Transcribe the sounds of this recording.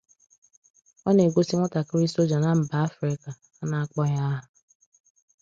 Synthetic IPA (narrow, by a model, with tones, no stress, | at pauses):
ɔ˦ne˨ɡʷo˦si˦ŋʷɔ˦ta˨kɪ˦ɾi˦so˦d͡ʒa˨na˦m̩˨ba˨a˦fɾɪ˦ka˨ | a˦na˨a˦k͡pɔ˦ɲa˦ɦʊ˨